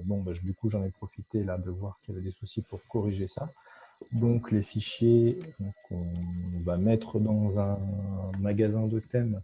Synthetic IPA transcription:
bɔ̃baʒd̪ykuʒɑ̃nɛpχɔfit̪elad̪əvwaʁkiljavɛd̪esusipuʁkɔʁiʒesa | d̪ɔ̃klefiʃjeɔ̃kʰɔ̃vamɛt̪χəd̪ɑ̃zɛ̃maɡazɛ̃d̪ət̪ɛm

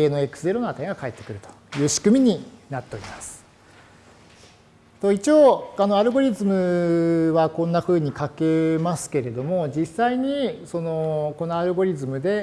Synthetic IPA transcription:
eːno̞ekɯ̥sɨze̞ɾo̞noat̪eŋɡakae̞t̪ːe̞̥kɯ̟ɾɯ̟t̪o̥jɯ̟ːɕi̥kɯ̟mʲiɲ̟inat̪ːe̞o̞ɾʲimasɨ̥ | t̪o̞it͡ɕioːano̞aɾɯ̟ɡo̞ɾʲizɨmɯ̟βakõ̞nːaɸɯ̟ːɲ̟ikake̞masɨ̥ke̞ɾe̞d̪o̞mo̞d͡ʑisːaiɲ̟iso̞no̞ko̞noaɾɯ̟ɡo̞ɾʲizɨmɯ̟d̪e̞

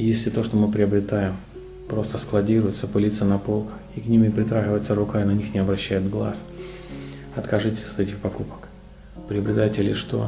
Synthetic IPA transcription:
jesʲlʲɪt̪o̞ʂt̪o̞mɨpɾʲɪɐbɾʲɪt̪ajɪm | pɾo̞st̪əsklˠɐdʲiɾʊjɪt̪səpɨlʲit̪sənɐpo̞lˠkə̥xiknʲimʲɪpɾʲɪt̪ɾaɣʲɪvəjɪt̪səɾʊkaɪnɐnʲixnʲɪɐbɾɐɕːæjɪt̪ɡlˠa̰s | ɐt̪kɐʐɨtʲɪ̥sʲɐt̪ɛtʲɪxpɐkupə̥k | pɾʲɪəbɾʲɪt̪ajtʲɪlʲɪʂt̪o̞̰

